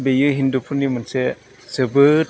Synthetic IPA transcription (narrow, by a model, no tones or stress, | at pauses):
bejɯɦindupʰunimɯnse | sɯbɯ